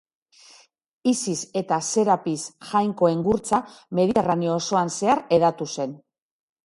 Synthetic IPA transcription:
isise̞t̪ase̞ɾapisʝajŋko̞e̞ŋɡuɾt͡same̞ðit̪e̞ranioːso̞anse̞aɾe̞ðat̪use̞n

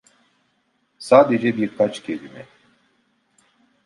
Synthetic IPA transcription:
saːd̪ed͡ʒɛbiɾkʰat͡ʃcʰʲelimɛ

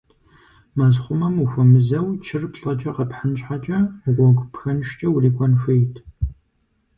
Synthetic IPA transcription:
maːzχʷʊmɐmuxʷɐmɨzɐwt͡ʃʰɪrpɬʼɐt͡ʃʼɐqɐpħant͡ʃʼħat͡ʃʼɐʁʷɔɡʷpxɐnʃt͡ʃʼɐwuɮiːkʷʰʼɔnʃʷejtʰ

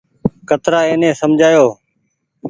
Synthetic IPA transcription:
kət̪ɾaːeːnẽːsəmd͡ʒʱaːjoː

